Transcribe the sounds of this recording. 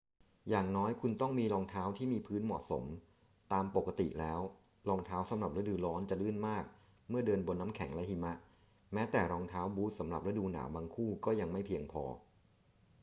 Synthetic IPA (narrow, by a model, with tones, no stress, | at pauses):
jaː˨˩ŋnɔː˦˥jkʰu˧nt̪ɔ˥˩ŋmiː˧lɔː˧ŋt̪ʰaː˦˥wt̪ʰiː˥˩miː˧pʰɯː˦˥nmɔ̰˨˩t̪̚so̰˩˦m | t̪aː˧mpo˨˩kːa˧t̪ḭ˨˩lɛː˦˥w | lɔː˧ŋt̪ʰaː˦˥wsa˩˦mɾa˨˩p̚ɾa˦˥dɯː˧lɔː˦˥nt͡ɕa˨˩lɯ˥˩nmaː˥˩k̚ | mɯ˥˩ɐdɤː˧nbo˧nːa˦˥mkʰɛ˩˦ŋlɛ˦˥hi˧ma˦˥ʔ | mɛː˦˥t̪ɛː˨˩ɾɔː˧ŋt̪ʰaː˦˥wbuː˦˥t̪̚sa˩˦mɾa˨˩p̚ɾa˦˥duː˧na̰ː˩˦wbaː˧ŋkʰuː˥˩kɔː˥˩ja˧ŋma˥˩jpʰi˧əŋpʰɔ̰ː˧